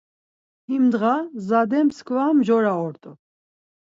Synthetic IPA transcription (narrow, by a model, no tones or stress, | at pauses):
himd̪ʁazad̪ɛmskʰvamʒɔɾaɔɾt̪ʼɔ